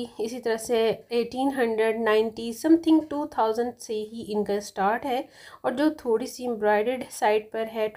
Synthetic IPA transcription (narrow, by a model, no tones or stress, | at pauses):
ɪsit̪ɐɾəɦseeːʈiːnɦɐ̃ɳɖɾəɖnaːɪ̃nʈisɐ̃mt̪ʰɪ̃ŋɡʈuːt̪ʰaːʊzə̃ɳɖseɦiʔɪ̃nkasʈaːɾʈɦɛː | ɔːɾd͡ʒoːt̪ʰoːɽisiɪ̃mbɾaːɪɖeɖsaːɪɖ̚pɐɾɦɛ